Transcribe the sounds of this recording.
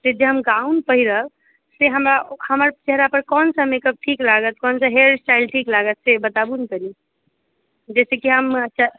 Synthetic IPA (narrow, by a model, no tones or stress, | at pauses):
t̪ed͡ʒeɦəmɡaunpəɦiɾəb | seɦəmɾahəməɾt͡ʃeɦɾapəɾkɔnsə̃mekəb̚ʈʰiklaɡət̪̚kɔnsə̃ɦeɖsʈailʈʰiklaɡət̪sebət̪abunkəɾi | d͡ʒɛsekiɦəmətːt͡ʃʰa